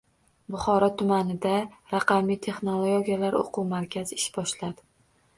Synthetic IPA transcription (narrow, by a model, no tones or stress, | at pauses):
bʊχɒɾɒt̪ʰʊmanɪd̪aɾɑqʰɑmijt̪ʰe̞χno̞lˠooɡʲijalaɾo̰qʰuwmaɾkʲʰazɪ̥ʃbɒʃlad̪ɪ